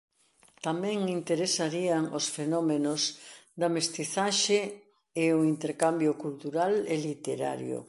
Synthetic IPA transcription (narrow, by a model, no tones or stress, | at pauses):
t̪amɛ̃ŋint̪eɾesaɾiaŋosfenɔmenosðɐmest̪iθaʃe | eoint̪eɾkambjokult̪uɾalelit̪eɾa̰ɾjo̰